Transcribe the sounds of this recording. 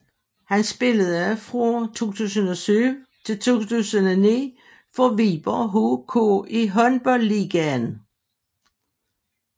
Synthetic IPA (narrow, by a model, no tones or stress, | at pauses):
hænsb̥e̝ləð̩ˠæfʁot͡sʰo̝̰ːt͡sʰṵːsən̩ɒ̽syʋət͡sʰe̝lt͡sʰo̝̰ːt͡sʰṵːsənɒnḭː | fɒʋiːb̥ɐɦoːkʰo̰iɦɒ̽nb̥ɒ̽lːiːɡ̥æn